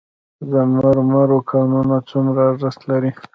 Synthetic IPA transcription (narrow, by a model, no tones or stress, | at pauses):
zəmaɾmaɾokʰɑnunat͡sumɾaʐəst̪laɾi